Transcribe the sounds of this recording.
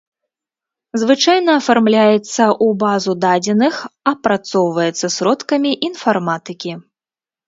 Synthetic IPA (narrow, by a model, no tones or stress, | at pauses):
zvɨt͡ʂajnɐːfarmlʲajɛt̪sːɐʔubazud̪ad͡zʲɛnɨxɐpɾat̪sɔwvɐjɛt̪sːɐsɾɔt̪kɐmʲiʔinfarmat̪ɨkʲi